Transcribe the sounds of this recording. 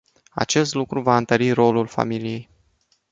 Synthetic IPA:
a̰t͡ʃe̞st̪lukɾuvaɨnt̪əɾiɾo̞lulfa̰milije̞j

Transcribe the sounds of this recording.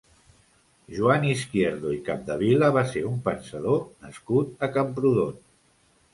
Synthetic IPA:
ʒuaniskjeɾðuikap̚d̪əβiləβ̞aseɾumpənsəðonəskut̪̚əkəmpɾuðon

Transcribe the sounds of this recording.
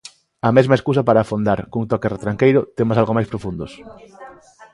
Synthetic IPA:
ɐmezmɐeskus̬ɐpaɾafond̪aɾkuŋt̪ɔkeret̪ɾaŋkejɾʊt̪emasalɣomajspɾofund̪os

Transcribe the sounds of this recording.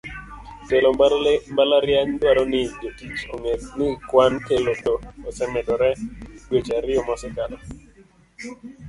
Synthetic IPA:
telombalmbalaɾjaŋdwaɾɔnɪd͡ʒotit͡ʃoŋenɪkwankelotoːsɛmɛdɔɾɛɡwet͡ʃaɾɪɔmɔsɛkalɔ

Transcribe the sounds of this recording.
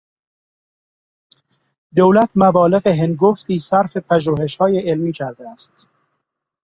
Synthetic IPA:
d̪owlæt̪ʰmæbɒːle̞ɣeɦenɡoft̪ʰiːsæɾfe̞pʰæʒuːhe̞ʃhɒːjeelmiːcʰæɾd̪eæst̪

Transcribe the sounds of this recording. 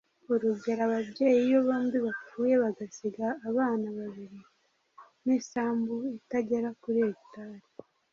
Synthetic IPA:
uɾuɟe̞ɾaβabɟeːjijo̞βaːndiβafuːje̞βaɡasiɡaːβaːnaβaβiɾi | nisaːmbuitaɟe̞ɾakuɾeitaːɾi

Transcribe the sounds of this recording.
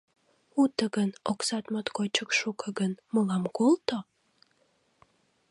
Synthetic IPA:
ut̪əɣənoksɑt̪mot̪kot͡ɕəkʃukəɡənməlɑmkolt̪o

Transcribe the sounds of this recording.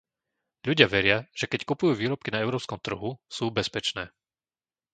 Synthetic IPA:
ʎuɟɪaʋɛɾɪaʒ̥ɛkɛckupujuːʋiːɾɔp̚kinaɛʊɾɔːpskɔmt̪r̩ɦusuːbɛspɛt͡ʃnɛː

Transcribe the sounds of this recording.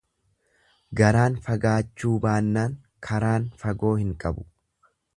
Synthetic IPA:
ɡɐɾaːnfɐɡaːt͡ʃːuːbaːnːaːŋ | kʰɐɾaːnfɐɡo̞ːhɪŋkʼɐbʊ̥

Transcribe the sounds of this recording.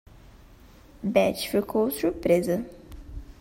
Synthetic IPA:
bɛt͡ʃfiɾkʰowsuɾpɾezɐ

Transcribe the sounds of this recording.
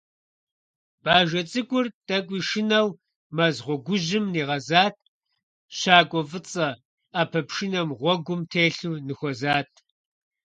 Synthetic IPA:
b̥aːʒɐt͡sʼɨkʷʼʊrtʼɐkʷʼiːʃɪnɐw | mɐzʁʷɔɡʷʊʑɪmniːʁɐzaːt̚ʰ | ɕaːkʷʼɔfɨt͡sʼɐ | aːpʰɐpʃɪnɐmʁʷɔɡʷʊmtʰeːɬuːnɨxʷɔzaːt̚ʰ

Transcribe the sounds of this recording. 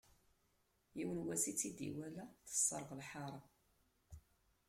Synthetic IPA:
jiwənwæsit͡sːid̪ḭwælæθə̥sˤːəɾˤʁlħɑɾˤɑ

